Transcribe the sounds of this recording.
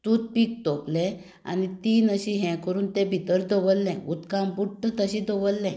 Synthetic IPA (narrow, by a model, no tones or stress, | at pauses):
t̪ut̪̚pik̚t̪oplɛ̃ | a̰nit̪inəɕiɦɛ̃kəɾuːnt̪ɛ̃bʱit̪əɾd̪ɔʋəlːɛ̃ut̪kãmbuʈʈət̪əɕĩd̪ɔʋəlːɛ̃